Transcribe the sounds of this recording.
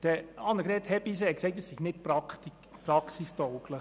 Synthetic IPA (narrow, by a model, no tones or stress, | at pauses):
d̥əɑnəɡɾɛːthɛbiseɛkseɪtːəsɪɡnɪt̚pɾɑkti | pɾɑksistɔwklə